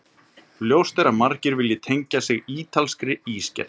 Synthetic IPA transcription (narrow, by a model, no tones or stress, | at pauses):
ljoːwst̪ɛɾamaɾcɪɾvɪljɪt̪ʰejɲcasɪɣiːt̪ʰalskɾɪiːscɛ̰